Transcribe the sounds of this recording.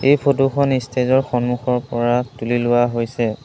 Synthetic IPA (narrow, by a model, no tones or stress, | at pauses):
ejpʰotuxʰɔnistʰezɔɹxɔnmuxɔɹpɔɹatulilʊwaɦojsɛ